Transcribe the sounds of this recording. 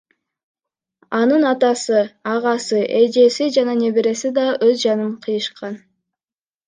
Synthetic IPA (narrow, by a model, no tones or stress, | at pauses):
ɑnɯnɑt̪ɑsɯɑʁɑsɯʔed͡ʒe̞sid͡ʒɑnɑne̞βeɾe̞sid̪ɑʔøzd͡ʒɑnɯɴqʰɯjɯʃqɑn